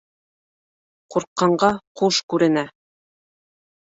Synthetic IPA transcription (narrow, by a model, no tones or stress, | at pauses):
quɾqːɑɴɢɑquʃkʉɾɘ̆næ